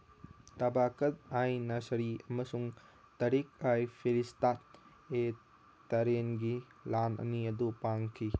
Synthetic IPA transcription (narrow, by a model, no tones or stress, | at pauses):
tɐbakɐt̪̚ajnɐsɐɾiɐmɐsuŋ | tɐɾik̚ajpʰiɾistat̚ | e | tɐɾenɡi | lanɐ̰niɐdupaŋkʰi